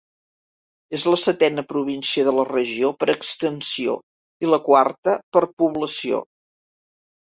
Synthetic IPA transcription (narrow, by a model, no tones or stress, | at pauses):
ezləsət̪ɛnəpɾuβinsiəðələrəʒiopəɾəkst̪ənsio̰ | iləkwart̪əpəɾpuβləsio̰